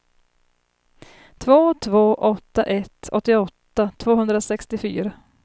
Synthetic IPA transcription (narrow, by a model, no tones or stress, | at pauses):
t̪ʰvoːt̪ʰvoːʔɔt̪ːaʔɛt̪ʰɔ̰t̪ːɪɔt̪ːat̪ʰvoːɦɵnd̪ɾasɛkst̪ɪfyːɾa